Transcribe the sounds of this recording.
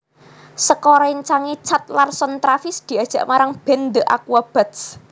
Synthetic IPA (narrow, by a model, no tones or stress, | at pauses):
səkɔɾaiɲt͡ʃaŋit͡ʃat̪̚larsɔnt̪ɾafɪsd̪̥i̤ad̥ʒ̥a̤ʔmaɾaŋb̥ɛ̤nd̪əʔa̰kuab̥a̤t̪s